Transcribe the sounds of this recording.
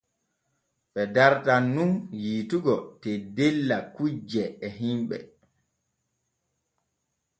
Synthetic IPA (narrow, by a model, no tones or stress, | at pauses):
ɓɛdaɾtanːunjiːtuɡɔtedelːakud͡ʒɛːɦimɓɛ̰